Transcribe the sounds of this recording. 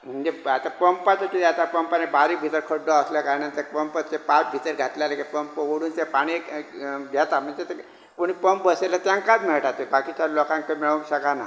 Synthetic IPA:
m̤əɳd͡zeat̪apəmpat͡sat̪iat̪apəmpanebaɾiːk̚bʱit̪əɾkʰəɽːəəsləkaɾnant̪əpəmpət͡sepakbʱit̪əɾɡʱat̪laləkepəmpəʋoɽuːnt̪epaɽ̃i | d̪ʱjat̪am̤ənd͡zet̪e | koɽ̃ipəmpbəselat̪jãŋkat͡smeɭʈat̪ebakit͡ɕalɔkãŋkəmɛɭomɕəkana̰

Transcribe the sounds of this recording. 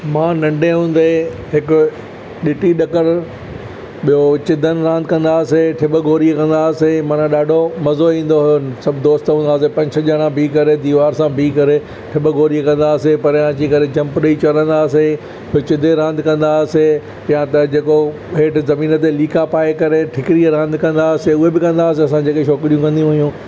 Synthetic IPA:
mãːnɐ̃ɳɖeɦũːn̆d̪eɦɪkʊ | ɗɪʈiɗɐkəɾ | ɓijot͡ɕɪd̪ʱənɪ̆ɾãːnd̪ɪkɐ̃nd̪aːseʈʰɪɓəɡoːɾikɐ̃nd̪aːsemãːnãɗaːɖʱomɐzoĩːn̆d̪oɦʊjosɐbʱɪd̪oːst̪ɦũːnd̪aːsepɐ̃ɲt͡ɕʰə̆ʄəɽ̃ãbʱiːkɐɾed̪iːʋaːɾsãbʱiːkɐɾe | ʈʰɪbəɡoːɾikɐ̃nd̪aːsepɐɾãːt͡ɕikɐɾed͡ʑɐ̃mpɾəit͡ɕɐɾə̃nd̪aːse | iot͡ɕɪd̪ʱeɾãːnd̪ʱkɐ̃nd̪aːse | pjãt̪ɐd͡ʑeːko | ɦeːʈzɐmĩːnət̪̬eliːkapaːekɐɾeʈʰɪkɪɾiɾãːnd̪ʱkɐ̃nd̪aːseʊɦebɪkɐ̃nd̪aːs̬eɐsãd͡ʑeːkeʃɔːkɾijũkɐ̃nd̪ijũɦijũː

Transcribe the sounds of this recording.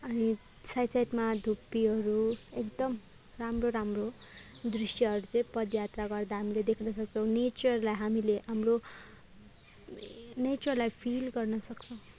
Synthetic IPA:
ʌni | sajsajʈmad̪ʱupːiɦʌɾuekd̪ʌm | ramroɾamro | d̪risʈjʌɦʌɾut͡sʌĩpʌd̪jat̪raɡʌrd̪aɦamiled̪ekʰnʌsʌk̚t͡sʰʌ̃w̃net͡sʌrlajɦamileɦamro | net͡sʌrlajpʰilɡʌrnʌsʌkt͡sʰʌw̃

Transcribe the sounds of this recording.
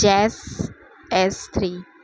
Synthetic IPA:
ɛs | ɛst̪ʰɾiː

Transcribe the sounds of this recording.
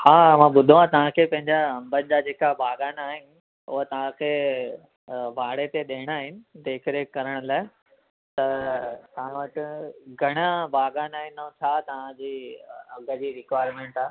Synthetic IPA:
haːmãːɓʊd̪ʱuãt̪ɐʋ̤ãkʰeːpɐ̃ɦɪɲd͡ʑaɐ̃mbənɪd͡ʑad͡ʑeːkabʱaːɡaːnaːɦɪnɪ̆ | ʊ̰ɦət̪ɐʋ̤ãkʰeː | bʱaːɽet̪eɗeːɽ̃aːɦɪnɪ̆d̪eːkʰɪɾekɐɾəɽ̃ʊlaːɪ | t̪ɐt̪ɐʋ̤ãʋɐʈɪ̆ɡʱɐɽ̃abʱaːɡaːnaːɦɪnõːt͡ɕʰaːt̪ɐʋ̤ãd͡ʑiːɐɡəd͡ʑiːɾɪkʋaːɪɾmẽːɳʈaː

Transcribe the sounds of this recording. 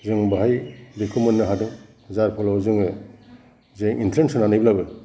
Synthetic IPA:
zɯŋbaɦajdekʰumɔnːɯɦadɯŋhzaɾpʰɔlɔwzɯŋɯ | zeŋʔintʰɾensɯnanɯjblabɯ

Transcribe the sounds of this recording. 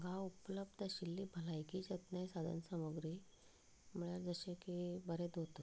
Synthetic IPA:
ɡʱaupləb̚d̪aɕilːiːbʱəlajkiːd͡ʑət̪njajsad̪ʱə̰nsəməɡɾi | m̤əɭjaɾd͡zəɕẽkibʱəɾed̪ot̪

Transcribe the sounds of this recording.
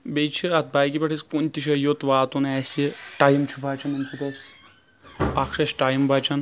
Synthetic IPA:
bejt͡ʃʰiɐt̪̚baːjkibɐʈʰɐsʲkunʲt̪iʃɐjot̪ʋaːt̪unɛːsiʈajmt͡ʃʰubʱaːt͡ʃʰɐnɐnʲsʰut̪ɐs | akʂɐʃʈaːjmbʱaːt͡ʃʰɐn

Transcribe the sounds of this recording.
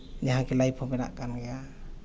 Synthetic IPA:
ɲaɦakɛlajpʰɔbɛna̰ʔkanɡɛa

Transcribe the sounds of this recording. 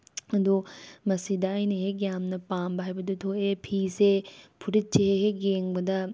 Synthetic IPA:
ɐd̪omɐsid̪aːjneɦeɡjaːmnɐpaːmbʱaːjbɐd̪ut̪ʰoʔepʰiːsepʰuɾit͡ʃeɦeɦeɡeŋbɐd̪a

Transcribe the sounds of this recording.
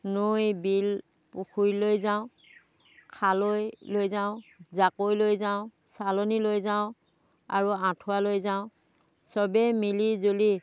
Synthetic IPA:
nujbil | pukʰujlojzaʊ̃ | kʰalojlojzaʊ̃zakojlojzaʊ̃ | salonilojzaʊ̃ | a̰ɹuãtʰʊwalojzaʊ̃ | sɔbɛmilizoli

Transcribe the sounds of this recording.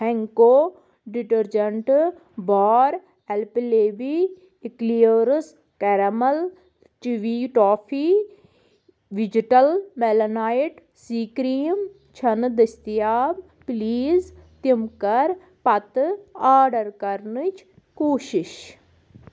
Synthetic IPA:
hɛŋkoː | ɖiʈəɾd͡ʒəɳʈ | baːɾ | ɛlpileːbiː | kliəɾs | kɛɾɐməl | t͡ʃiʋiːʈoːpʰiː | ʋid͡ʒiʈəlmelɐnaːɪʈ | siːkɾiːm | t͡ʃʰɐnd̪ɐst̪ijaːb | pliːz | t̪imkəɾ | pɐt̪aːɾɖəɾkɐɾnɨt͡ʃ | koːʃɪʃ

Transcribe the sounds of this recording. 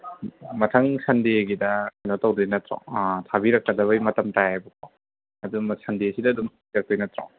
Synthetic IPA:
mɐtʰaŋsɐndeɡidɐkajnawtawdɔjnɐtɾɔ̰tʰabiɾɐk̚kɐdɐβɐjmɐtɐmtajajbɐkʰɔw | ɐdumsɐndiɐsidɐdumtʰabiɾɐk̚d̥ɔjnɐtɾɔ̰ŋ

